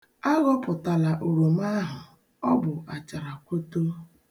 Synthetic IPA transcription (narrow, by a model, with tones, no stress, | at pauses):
a˦ɣɔ˦pʊ˨ta˨la˨ʔo˨ɾo˨m˦a˦ɦʊ˨ | ɔ˦bʊ˨ʔa˨t͡ʃa˨ɾa˨kʷo˦to˦